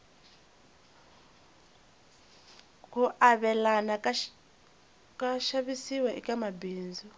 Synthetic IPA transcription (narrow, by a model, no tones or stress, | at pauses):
kuʔaβɛlana | kʼaʃaβisiwɛʔḭkʼamabiːnd͡zɔ